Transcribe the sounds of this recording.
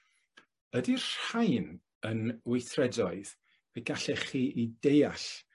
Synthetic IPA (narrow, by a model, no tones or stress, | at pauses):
ədirrajn | ənwɪjθrɛdɔɨð | vɛɡaɬɛχiːʔidejaɬ